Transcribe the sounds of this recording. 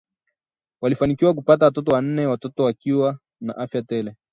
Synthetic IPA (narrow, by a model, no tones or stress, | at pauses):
walifanikiwak̬upatawatɔtɔwan̩nɛwatɔtɔwakiwa | na̰ʔafjatɛlɛ